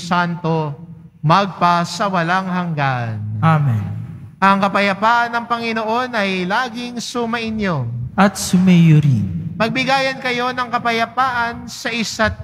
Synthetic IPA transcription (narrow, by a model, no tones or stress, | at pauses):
sant̪o̞ | mɐɡ̚pɐsɐwɐlaŋhɐŋɡanamɛnʔɐŋkɐpɐjɐpaːʔɐnːɐŋpɐŋɪnoʔo̞nʔɐjlaːɡɪŋsʊmɐʔɪnjoʔɐt̪̚sʊmɛjoɾimɐɡ̚bɪɡaːjɐnkɐjo̞nɐŋkɐpɐjɐpaːʔɐnsɐʔɪsat̪̚